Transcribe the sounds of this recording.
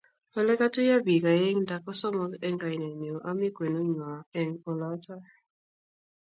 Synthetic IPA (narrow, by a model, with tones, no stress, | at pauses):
ɔ˦lɛ˦ka˦tu˦ja˦bi˨ka˨jɛ˦ŋda˨kɔ˦sɔ˦mɔ˦kɛ˦ŋɡa˨jnɛ˨ni˨ɔ˨ʔa˦mi˦kwɛ˨nu˦ɲwa˨ɛ˨ŋɔ˨la˦ta˦